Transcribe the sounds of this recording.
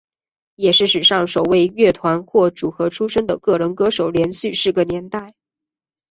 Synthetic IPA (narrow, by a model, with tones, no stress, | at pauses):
jɛ˨˩ʂɻ̩˥˩ʂɻ̩˨˩ʂɑ˥˧ŋʂo˨˩ʊwe˥˧ɪɥɛ˥˩t̪ʰwa˧˥nxwɔ˥˩ʈ͡ʂu˨˩xɤ˧˥ʈ͡ʂʰu˥ʂə˥ŋd̪ə˨kɤ˥˩ɻə˧˥nkɤ˥ʂo˨˩ʊljɛ˧˥nɕy˥˧ʂɻ̩˥˩ɡə˩njɛ˧˥nt̪a˥˩ɪ